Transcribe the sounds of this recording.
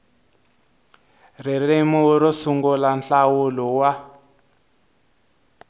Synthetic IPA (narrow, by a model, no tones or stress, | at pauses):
ririmuɾɔsuŋɡulanɬawulɔwa